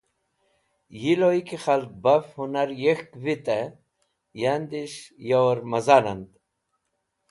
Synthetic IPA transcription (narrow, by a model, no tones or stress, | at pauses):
jiloikixalt̪̚bafhunaɾjexkvit̪a | jand̪iʃjawɾmɐzanand̪